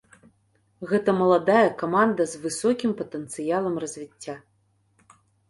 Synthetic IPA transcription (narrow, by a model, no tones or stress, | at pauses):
ɣɛt̪ɐmɐlˠad̪ajɐkamand̪ɐzvɨsɔkʲimpɐt̪ɛnt̪sɨjalˠɐmrɐzʲvʲit͡sʲːa